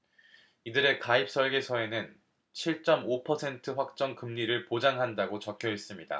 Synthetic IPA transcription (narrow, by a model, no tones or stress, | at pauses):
idɯɾe̞kaip̚s͈ʌɭɡe̞sʰʌe̞nɯn | t͡ɕʰiɭt͡ɕ͈ʌmopʰʌsʰe̞ntʰɯɸwak̚t͡ɕ͈ʌŋkɯmɲiɾɯɭpod͡ʑaŋɦandaɡot͡ɕʌkʰjʌɦe̞s͈ɯmɲida̰